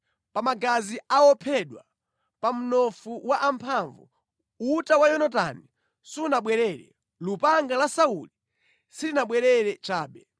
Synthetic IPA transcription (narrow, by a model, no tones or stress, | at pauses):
pamaɡaziaɔpʰɛɗwa | pam̩nɔfuwaʔampʰaɱvṵ | utawajɔnat̬a̰ni | suunaɓwɛɾɛɾɛ̰ | lupaŋɡalasauli | silinaɓwɛɾɛɾɛt͡ʃaːɓɛ